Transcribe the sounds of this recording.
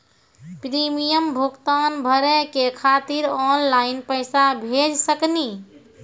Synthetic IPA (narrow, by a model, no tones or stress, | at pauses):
pɾimijəmbʱukt̪anbʱəɾekekʰat̪iɾɔnlainpəɪsabʱed͡ʒsəkni